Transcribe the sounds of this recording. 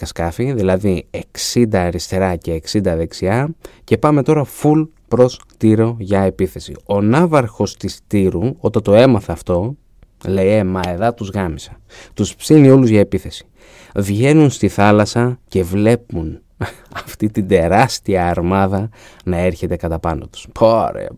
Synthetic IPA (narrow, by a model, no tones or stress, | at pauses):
ɐskɐfiðilɐðie̞ksind̪ɐɾist̪e̞ɾɐce̞ːksind̪ɐðe̞ksiɐce̞pɐme̞t̪o̞ɾɐful | pɾo̞st̪iɾo̞ʝɐepiθe̞sḭo̞nɐvɐɾxo̞st̪ist̪iɾuo̞t̪ɐt̪o̞e̞mɐθɐːft̪o̞ | le̞jemɐeðɐt̪uzɣɐmisɐ | t̪uspsinio̞luzʝɐepiθe̞si̥ | vʝe̞nunst̪iθɐlɐsɐce̞vle̞pun | ɐft̪it̪ind̪e̞ɾɐst̪iɐːɾmɐðɐnɐe̞ɾçe̞t̪e̞kɐt̪ɐpɐnot̪u̥spoɾḛ